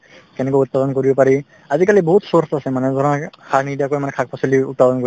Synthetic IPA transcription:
kɛnɛkɔut̪̚pad̪ɔnkoɹibɔpaɹi | azikalibɔɦut̪sɔɹsasɛmanɛzɔnakʰanidiakojmanɛkʰak̚pʰasɔliṵt̪̚pad̪ɔnkoi

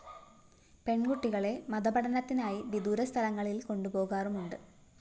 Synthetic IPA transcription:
pe̞ɳɡuʈːiɣɐɭe̞mɐðɐbɐɽɐnɐt̪ːinaːjiʋid̪uːɾɐst̪ʰɐlɐŋːɐɭilko̞ɳɖupo̞ːɣaːrumuɳɖɨ

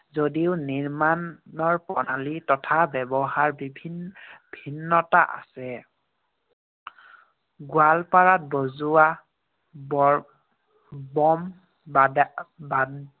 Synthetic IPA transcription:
zodiʊniɹmanɔɹpɔnalitɔtʰabɛbɔɦaɹbibʱibʱinːɔtaʔa̰sɛ | ɡwalpaɹat̚bozua | b | bɔm | ba

